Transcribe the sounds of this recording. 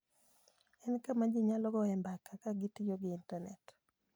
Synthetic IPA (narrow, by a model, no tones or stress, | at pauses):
ɛnkamad͡ʒiɲalɔɡɔɛmbakakaɡɪtɪjoɡɪːntanɛt